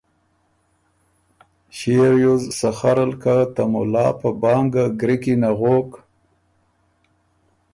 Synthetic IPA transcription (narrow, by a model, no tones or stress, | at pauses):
ɕeɾjuzsaxaɾalkat̪amʊ̰lɑ̰ːpabɑːŋɡaɡɾikinaɣoːk